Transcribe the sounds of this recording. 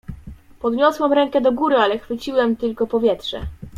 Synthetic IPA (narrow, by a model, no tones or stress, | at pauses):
pɔd̪ɲɔswɛmɾɛŋkɛd̪ɔɡuɾɘalɛxfɘt͡ɕiwɛmt̪ɘlkɔpɔvʲjɛtʂɛ̰